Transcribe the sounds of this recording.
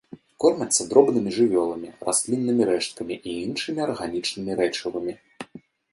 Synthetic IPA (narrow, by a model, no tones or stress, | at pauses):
kɔrmʲɐt̪sːɐd̪ɾɔbnɨmʲiʐɨvʲɔlˠɐmʲirasʲlʲinːɨmʲiɾɛʂt̪̚kɐmʲiʔiinʂɨmʲiɐrɣanʲit͡ʂnɨmʲiɾɛt͡ʂɨvɨmʲi